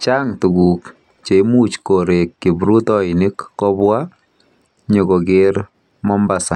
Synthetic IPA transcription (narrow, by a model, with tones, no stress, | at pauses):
t͡ʃa˦ŋtu˨ku˨k | t͡ʃe˨˦mu˦t͡ʃko˨ɾe˨kːi˨bɾu˦tɔ˦i˨ni˦kːɔ˦bwa˦ | ɲo˨kɔ˨keɾ | mɔ˦mba˨sa˨